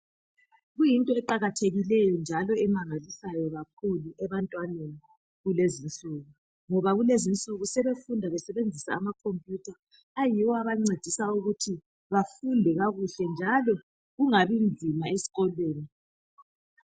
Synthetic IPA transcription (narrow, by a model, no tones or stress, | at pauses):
ɣujintʼɔɛǃaɣatʰeɣilɛjɔnd͡ʒʱalɔɛmaŋalisajɔɣakʰuluɛβantʼwaneni | ɣulezint͡ɬʼuɣu | ŋɔβaɣulezint͡sʼuɣusɛβefundʱaβɛsɛβend͡zʱisa̰ːmakʰompʼjutʰaː | jiwɔaβaŋ͡ǀed̥ʱisauɣutʰi | βafundʱɛɣaɣuɬɛnd͡ʒʱalɔ | ɣuŋaβind͡zʱimaesi̥ɣɔlweːni